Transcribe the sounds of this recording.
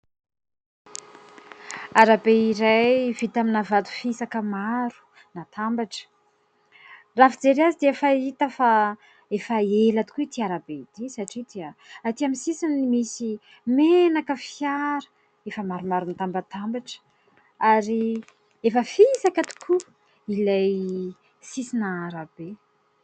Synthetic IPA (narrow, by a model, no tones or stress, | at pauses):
aɾabeiɾajvit̪aminavat̪u̥fisakəmaɾu̥ | nat̪ʰambaʈ͡ʂə̥ | rafid͡zeɾeazid̪eefait̪əfa | efaelat̪u̥kuit̪iaɾabed̪isaʈ͡ʂid̪eəat̪iamisisinnimisi | menakəfjaɾə̥ | efəmaɾumaɾunt̪ambat̪ambaʈ͡ʂ | aɾi | efəfisakat̪u̥kʰu | ilaj | sisinaːɾabe